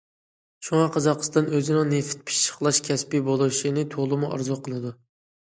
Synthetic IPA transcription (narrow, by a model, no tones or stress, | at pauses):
ʃuŋɑqʰɑzɑqʰə̥st̪ɑnøzɪnɪŋneft̪̚pʰi̥ʃə̥χlˠɑʃkʲʰɛspɪbolˠuʃinɪt̪ʰolˠɨmuʔɑ̰ɾzɑqʰəlˠɨd̪u